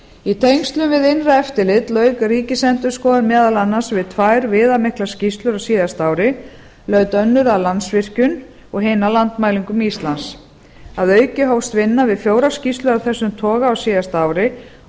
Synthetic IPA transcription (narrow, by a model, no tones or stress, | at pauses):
it̪ʰejŋst̪lʏmvɪðenraɛft̪ɪlɪt̪lœːɥkaɾiːcɪsɛnt̪ʏɾ̥skɔːðanmɛːðalanːasvɪðt̪ʰvajɾvɪːðamɪhklḁscist̪lʏɾawsiːðast̪aːwɾɪ | lœːɥt̪œnːʏɾaðlansvɪr̥cʏn | ɔɣɦeːjnalant̪maːjliŋkʏmist̪lans | aðœːɥcɪɦowst̪vɪnːavɪðfjoːwɾascist̪lʏɾawθɛsːʏmt̪ʰɔːɣaːwsiːðast̪aːwɾɪ